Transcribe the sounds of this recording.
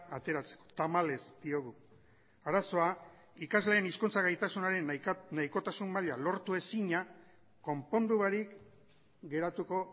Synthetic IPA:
at̪e̞ɾat͡se̥ko̞̥t̪amale̞zd̪̥io̞ɣ̞u | aɾaso̞a | ikazle̞ːniskunt͡saɣajt̪asunaɾe̞nnajko̞t̪asumːaʎalo̞ɾt̪ue̞siɲa | ko̞mpo̞nd̪uβaɾik | ɡe̞ɾat̪uko̞

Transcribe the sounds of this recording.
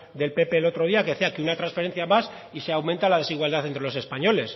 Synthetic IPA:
d̪e̞lpe̞pe̞ːlo̞t̪ɾo̞ð̞iakeseakeunat̪ɾansfee̞n̟θjamas | iseawment̪alaðe̞siɣwald̪aθent̪ɾe̞lo̞se̞spaɲo̞le̞s

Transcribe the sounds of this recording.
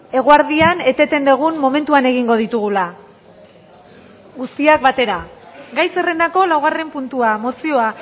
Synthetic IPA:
e̞ɣ̞oaɾðiane̞t̪e̞t̪e̞nd̪eɣ̞unmo̞me̞nt̪uane̞ɣ̞iŋɡo̞ð̞it̪uɣ̞ula | ɣust̪iak̚bat̪e̞ɾaɡajse̞re̞nd̪ako̞lawɣ̞are̞mpunt̪uamo̞sio̞a

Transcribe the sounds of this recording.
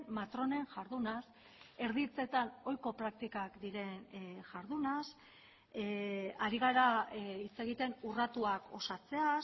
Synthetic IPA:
mat̪ɾo̞ne̞nʝaɾðunas | e̞ɾðit͡se̞t̪ano̞jko̞pɾak̚t̪ikakd̪iɾe̞nʝaɾðunas | aɾiɣ̞aɾait͡se̞ɣit̪e̞nurat̪uako̞̰sat͡se̞a

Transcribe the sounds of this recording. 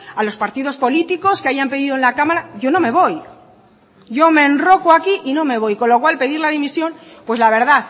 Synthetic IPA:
alo̞spaɾt̪iðo̞spo̞lit̪iko̞skeaʝampeðiðoenlakamaɾaɟ͡ʝo̞no̞me̞βo̞j | ɟ͡ʝo̞me̞nro̞koakiʔino̞me̞β̞o̞jko̞nlo̞kwalpe̞ðiɾlaðimisjo̞n | pwe̞zlaβ̞e̞ɾðaθ

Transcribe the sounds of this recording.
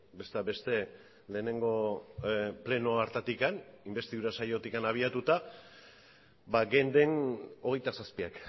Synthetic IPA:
be̞st̪abe̞st̪e̞ | le̞ːne̞ŋɡo̞ | ple̞no̞aɾt̪at̪ikanimbe̞st̪iðuɾasajo̞t̪ikanaβ̞iat̪ut̪a | baɡe̞nd̪e̞no̞ɣ̞e̞jt̪asaspiak

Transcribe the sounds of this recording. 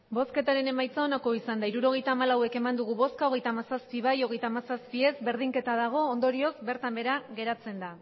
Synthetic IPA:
bo̞ske̞t̪aɾe̞ne̞majt͡sao̞nako̞isand̪aiɾuɾo̞ɣ̞e̞jt̪aːmalawe̞ke̞mand̪uɣ̞uβo̞skao̞ɣ̞e̞jt̪amasaspiβ̞ajo̞ɣe̞jt̪aːmasaspie̞zbe̞ɾðiŋke̞t̪aðaɣ̞o̞ːnd̪o̞ɾio̞zbe̞ɾt̪ambe̞ɾaɣe̞ɾat͡se̞nd̪a

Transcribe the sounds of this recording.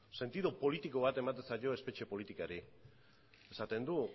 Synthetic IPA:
se̞nt̪iðupo̞lit̪iko̞β̞at̪e̞mat̪e̞nsajo̞e̞spe̞t͡ʃe̞po̞lit̪ikaɾi | esat̪e̞nd̪u

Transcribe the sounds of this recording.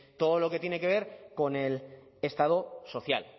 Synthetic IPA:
t̪o̞ðolo̞ke̞t̪je̞ne̞ke̞β̞e̞ɾko̞ne̞l | est̪að̞oso̞θja̰l

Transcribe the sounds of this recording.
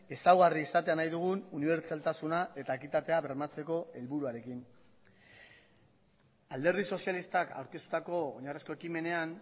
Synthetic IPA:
e̞sawɣariesat̪e̞anajðuɣ̞ununiβe̞ɾt͡ʃalt̪asunae̞t̪aekit̪at̪e̞aβe̞ɾmat͡se̞ko̞e̞lβuɾuaɾe̞kin | ald̪e̞ɾð̞iso̞sialist̪aka̰wɾkest̪u̥t̪ako̞o̰ɲaresko̞e̞kime̞ne̞an

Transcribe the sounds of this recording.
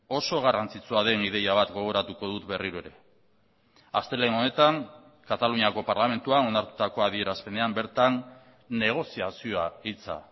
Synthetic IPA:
o̞so̞ɣ̞arant͡sit͡suaðe̞nið̞e̞jaβ̞at̪ɡo̞ɣ̞o̞ɾat̪uko̞ðut̪be̞riɾue̞ɾe̞ | ast̪e̞le̞no̞ne̞t̪aŋ | kat̪aluɲiako̞paɾlame̞nt̪uano̞naɾt̪u̥t̪ako̞aðie̞ɾaspe̞nd̪e̞ambe̞ɾt̪anː | e̞ɣ̞o̞siasioait͡sa̰

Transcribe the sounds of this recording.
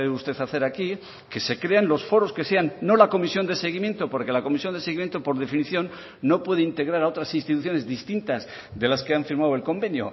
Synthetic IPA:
ust̪e̞θaθe̞ɾaki | ke̞se̞kɾe̞anlo̞sfo̞ɾo̞ske̞se̞anːo̞lako̞misjo̞nd̪e̞se̞ɣ̞imjẽ̞nt̪opo̞ɾke̞lako̞misjo̞nd̪e̞seɣimje̞nt̪opo̞ɾð̞e̞finiθjo̞nː | o̞pwe̞ð̞eint̪e̞ɣɾaɾao̞t̪ɾasinst̪it̪uθjo̞ne̞zðist̪int̪az | ðe̞laske̞aɱfiɾmawe̞lko̞mbe̞njo̰

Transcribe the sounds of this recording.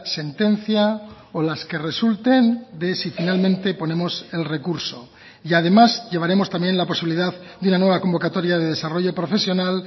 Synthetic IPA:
se̞nt̪e̞n̟θja | olaske̞re̞sult̪e̞nd̪e̞sifinalmẽnt̪e̞po̞nẽ̞mo̞se̞lre̞kuɾso̞ | iað̞e̞mazʝe̞β̞aɾe̞mo̞st̪amje̞nlapo̞siβiliðað | d̪unanweβako̞mbo̞kat̪o̞ɾjað̞eðe̞saro̞ʝo̞pɾo̞fe̞sjo̞nal

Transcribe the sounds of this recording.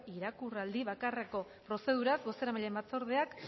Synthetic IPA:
iɾakurald̪iβakareko̞ | pɾo̞se̞ð̞uɾazbo̞se̞ɾamaʎe̞mbat͡so̞ɾðe̞ak

